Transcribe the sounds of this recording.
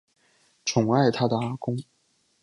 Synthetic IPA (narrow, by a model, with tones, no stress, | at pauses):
ʈ͡ʂʰʊ˨˩ŋa˥˩ɪt̪ʰa˥d̪ə˨˩a˥kʊ˥ŋ